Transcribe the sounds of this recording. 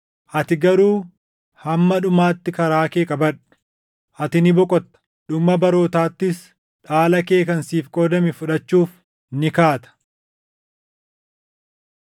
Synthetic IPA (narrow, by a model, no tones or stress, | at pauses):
ʔɐt̪ɪɡɐɾuː | hɐmːɐᶑʊmaːt̪ːɪkɐɾaːkeːkʼɐbɐᶑʊ̥ | ʔɐt̪ɪnɪbɔkʼɔt̪ːɐ̥ | ᶑʊmːɐbɐɾo̞ːt̪aːt̪ːɪs | ᶑaːlɐke̞ːkɐnsiːfkʼɔːd̪ɐmɪfʊᶑɐt͡ʃːuːf | nɪkaːt̪ɐ̥